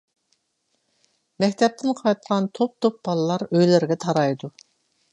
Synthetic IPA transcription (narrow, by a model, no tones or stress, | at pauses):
mɛkʲt̪ʰɛp̚t̪ʰɪnqʰɑjt̪̚qʰɑnt̪ʰop̚t̪ʰop̚bɑlˠɨlˠɑɾøjlɪɾɡʲɛt̪ʰɑɾɑjd̪u